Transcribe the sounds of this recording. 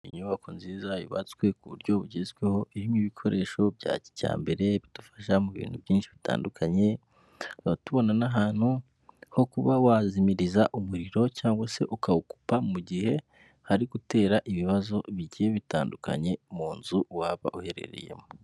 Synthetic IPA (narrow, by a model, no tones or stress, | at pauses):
iɲuβakonziːzajo̰βa̰t͡skwe̞kuβṵɾɟo̞βuɟezɡweho̞ʔihimiβikʰo̞ɾe̞ːʃo̞bja̰ːci̥ca̰ːmbe̞ɾe̞βid̥ufḁʃamuβḭːn̥huvjiːnʃiβita̰ːndukʰaɲe̞ | atuβo̞nanaɦaːn̥hu | ho̞kuβawazimiɾizaʔumuɾiɾo̞caːŋɡwase̞ʔukauku̥pamuɟihe̞ | haɾiɡute̞ːɾaʔiβiβazo̞βiɟijeβita̰ːndukʰa̰ɲe̞muːnzuwaːβa̰ʔuhe̞ɾe̞̰ɾe̞̰je̞̰mo